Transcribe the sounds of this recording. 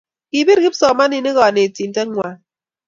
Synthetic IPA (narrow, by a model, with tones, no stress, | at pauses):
ki˨bi˦ɾɡi˦psɔ˨ma˦ni˨ne˦ɣɔ˨a˨ne˨ti˨n̩˦tɛ˦ŋʷwa˨